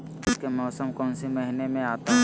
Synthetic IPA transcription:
ɪskemɔːsəmkɔːnsimɐɦɪnemẽaːt̪aɦ

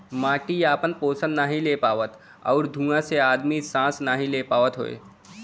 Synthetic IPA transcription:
mãːʈiaːpənpoːsə̃nnəɦĩleːpaːʋət̪ | ɔːɾd̪ʱũːãseaːd̪misãːsnəɦĩleːpaːʋət̪ɦo̰ḛː

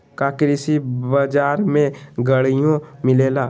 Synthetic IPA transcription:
kakɾisibəd͡ʒaːɾmẽɡəɽijõmɪleːlaː

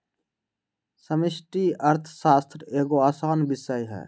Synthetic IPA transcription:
səmɪsʈiəɾt̪ʰsaːst̪ʰɾeːɡoaːsaːnbɪsəjɦɛ̰ː

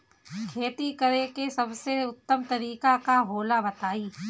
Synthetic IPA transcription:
kʰeːt̪ikɐɾekesɐbseʊt̪ːəmt̪ɐɾiːkakaɦoːlabɐt̪aːiː

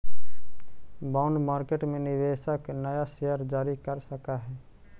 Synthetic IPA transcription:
baːʊɳɖmaːɾkeʈmẽnɪʋeːʃəknəjaʃeəɾd͡ʒaːɾikəɾsəkaɦɛː

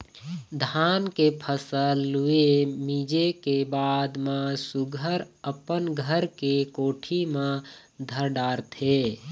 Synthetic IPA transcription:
d̪ʱankepʰəsəlːuemid͡ʒekebad̪mẽsuɡʱəɾəpənɡʱəɾkekoːʈʰimẽ | d̪ʱəɾɖaːɾt̪ʰe

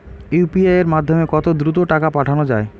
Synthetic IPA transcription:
jupiaeɾmad̪ʱːomekɔt̪od̪ɾut̪̬oʈakapaʈʰanod͡ʑae

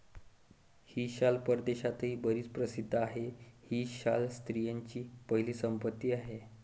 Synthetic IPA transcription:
hiːɕalpəɾd̪eɕat̪ɦiːbəɾiːt͡spɾəsid̪ʱaɦehiːɕalst̪ɾijaɲt͡ɕiːpəɦiliːsəmpət̪ːiːaɦe

